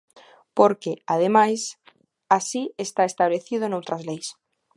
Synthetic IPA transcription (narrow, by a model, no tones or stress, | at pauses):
poɾkeað̞emajs | asiest̪aest̪aβleθið̞oenowt̪ɾazlejs